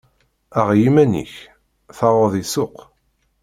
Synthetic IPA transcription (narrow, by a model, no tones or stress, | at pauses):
æʁjimænḭç | θɑʁoðˤisʊq